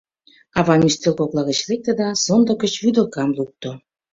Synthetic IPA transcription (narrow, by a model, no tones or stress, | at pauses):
ɑβɑmʲist̪elkoklɑɣə̆t͡ɕlek̚t̪ĕd̪ɑsond̪ŏkə̆t͡ɕβyd̪əlkɑmluk̚t̪o